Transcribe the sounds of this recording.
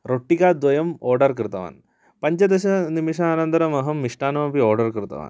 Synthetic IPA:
ɾoʈːikaːd̪ʋɐjɐmoːɾɖɐrkɾɨt̪ɐʋa̰ːn | pɐɲd͡ʑɐd̪ɐɕɐnimiʂaːnɐnd̪ɐɾɐmɐɦɐmːiʂʈaːnɐmɐpioːrɖɐrkɾɨt̪ɐ̰ʋa̰ːn

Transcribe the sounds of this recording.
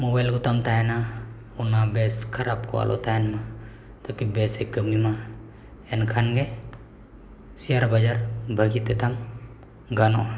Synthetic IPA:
mɔbajlɡutamtaɛna | unabɛskʰaɾapkoa̰lʔo̰taɛnma | t̪akibɛsɛkːəmima | ɛnkʰanɡe | siaɾabad͡ʒaɾbʱaɡit̪ɛt̪am | ɡanoa

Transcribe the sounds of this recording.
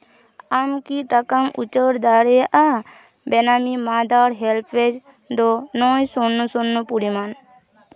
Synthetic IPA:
amkiʈəkəmṵt͡ʃəɾd̪aɾea | benamimaːd̪aːɾɦelpʰed͡ʒ | d̪ɔnɔːjsonːusunːupuɾiman

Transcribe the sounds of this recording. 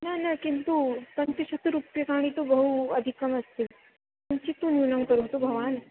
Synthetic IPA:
nanakint̪upənt̪iɕət̪ːuɾupjəkaɽ̃it̪obəɦuəd̪ʱikəməst̪iːl | amt͡ɕiːt̪uniwnawnkəɾɦot̪obʱəʋan

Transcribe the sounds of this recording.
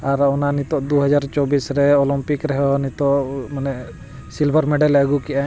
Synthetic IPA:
aɾɔnanit̪ɔʔd̪uɦad͡ʒaɾt͡ʃɔbisɾɛɔlɔmpikɾɛɦɛnit̪ɔmanɛ | silbʱəɾmɛɖaləɡukɛʔa

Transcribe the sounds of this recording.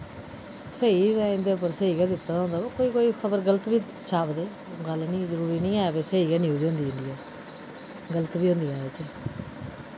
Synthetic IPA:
səiɾɛ̃ːɪ̃nd̪eːpəɾsəiːɡɛːd̪ɪt̪ːaːd̪aõnd̪aːbaːkoːiːkoːiːkʰəbəɾɡələt̪biː | t͡ʃaːpd̪eː | ɡəlnĩːzəɾuːɾiːnĩːaːɛbeːsəiːɡɛːnĩːɦoːd͡ʒãːnd̪iːɪɳɖijaː | ɡələt̪biːɦõːnd̪iːãːet͡ʃeː

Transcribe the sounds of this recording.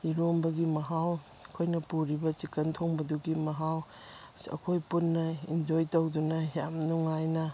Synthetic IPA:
iɾombɐɡimɐɦaw | kʰojnɐpuɾibɐt͡ʃikɐntʰoŋbɐduɡimɐɦaw | ɐ̰kʰojpunːɐind͡ʒojtowdunɐjamnuŋajnɐ

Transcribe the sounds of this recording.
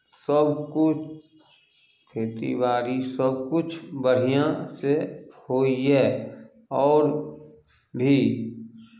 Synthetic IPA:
səbkʊt͡ʃʰ | kʰeːt̪ḭbaːɾisəbkʊt͡ʃʰbəɽ̤ijãsehoːiɦɛː | ɔːɾ | bʱiː

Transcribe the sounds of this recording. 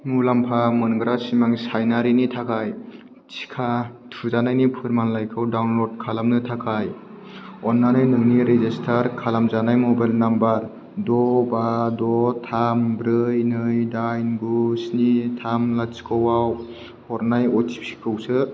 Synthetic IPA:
mulampʰamɯnɡɾasimaŋsajnaɾinitʰakʰaj | t͡ʃʰi̥kʰatʰuzanajnipʰɯɾmanlajkʰɯwdawnlod̚kʰalamnɯtʰakʰaj | ɔnːanɯjnɯŋniɾezestʰaɾkʰalamzanajmɔbajlnambaɾ | dɔbadɔtʰambɾɯjnɯjdajnɡusnitʰamlat͡ʃi̥kʰɔwaw | hɔɾnajɔtʰi̥p̚si̥kʰɯwsɯ

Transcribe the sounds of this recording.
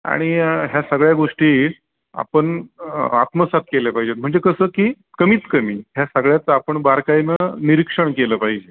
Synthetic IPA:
a̰ɽ̃iɦjasəɡɭjaɡoʂʈiː | a̰pəɳa̰t̪məsat̪̚kelepaɦid͡ʑet̪̚m̤əɳd͡zekəsəːkiː | kəmiːt͡skəmiːɦjasəɡɭjat͡səapəɳbaɾkajnəniɾikʂəɳkeləpaɦid͡ʑe

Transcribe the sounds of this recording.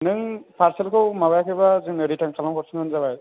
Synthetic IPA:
nɯŋpʰaɾsɛlkʰɯwmaβajkʰɯbazɯŋnɯɾitʰaŋkʰalamkʰɔɾsɯŋɯnzabaj

